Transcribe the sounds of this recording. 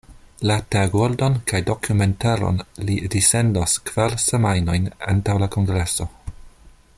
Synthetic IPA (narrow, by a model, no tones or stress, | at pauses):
lateaɡoɾdo̞nkʰajdo̞kʰume̞ntaɾo̰nlidise̞ndoskv̥aɾsemajno̞jna̰ntawlakoŋɡɾe̞so̞